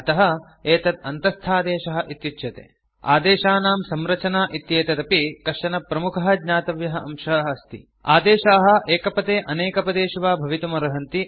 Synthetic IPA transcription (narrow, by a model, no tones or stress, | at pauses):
ɐt̪ɐɦɐ | eːt̪ɐt̪̚ɐnt̪ɐst̪ʰaːd̪eːʃɐɦɐ̆ʔit̪jut̪ːʃʰɐt̪ḛː | a̰ːd̪eːʃaːnaːmsɐmɾɐt͡ʃɐnaːʔit̪jeːt̪ɐt̪ɐpikɐʂɐnɐpɾɐmukʰɐɦɐ̆d̪ɲaːt̪ɐʋjɐɦɐɐ̰mʃɐɦɐɐst̪ḭ | a̰ːd̪eːʃaːɦɐ̆ʔeːkɐpɐt̪eːʔɐneːkɐpɐd̪eːʃiʋaːbʱɐʋit̪umɐɾɐɦɐnt̪i